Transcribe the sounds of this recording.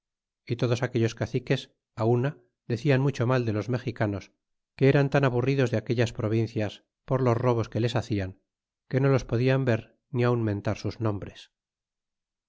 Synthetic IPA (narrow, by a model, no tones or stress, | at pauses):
it̪o̞ðo̞sake̞ʎo̞skaθike̞s | auna | ðe̞θianmut͡ʃo̞mald̪e̞lo̞zme̞xikano̞s | ke̞eɾant̪anaβuriðo̞zðeake̞ʎaspɾo̞β̞inθjas | po̞ɾlo̞zro̞β̞o̞ske̞le̞saθiaŋ | ke̞no̞lo̞spo̞ðiambe̞ɾ | niaunmẽ̞nt̪aɾsuznõ̞mbɾe̞s